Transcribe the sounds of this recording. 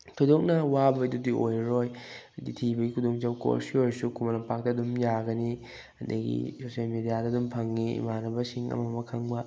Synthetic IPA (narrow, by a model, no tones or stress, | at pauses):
tʰojdok̚nɐwabɐdudiojɾojditʰibɐɡikʰudoŋt͡ʃawko̰ɾsiojɾsukʰumɐnɐpak̚tɐdumjaɡɐni | ɐndɐɡḭsosialmedijadɐdumpʰɐŋːiḭmanɐbɐsiŋɐ̰mɐmɐkʰɐŋbɐ